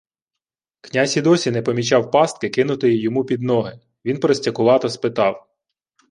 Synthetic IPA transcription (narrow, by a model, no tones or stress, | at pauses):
knʲasʲid̪ɔsʲinɛpɔmʲit͡ʃɑwpɑst̪̚kɪkɪnʊt̪ɪjijɔmupʲid̪nɔɦɪ | ʋʲinpɾɔsʲtʲɐkʊʋɑt̪ɐspɪt̪ɑw